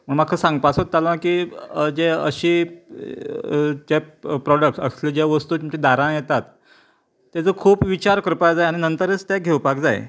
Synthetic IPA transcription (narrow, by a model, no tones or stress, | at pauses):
məɳmakʰəsãŋɡ̚pasot̪ːalakiːd͡ʑeəɕiː | d͡ʑepɾɔɽək̚ʈsə̰sled͡ʑeʋəst̪uːt̪umt͡ɕĩd̪aɾãjet̪at̪ː | ad͡zəkʰuːpʋit͡ɕaɾkəɾpajd͡zajaɽ̃inənt̪əɾət͡st̪jaɡʱewpakd͡za̰j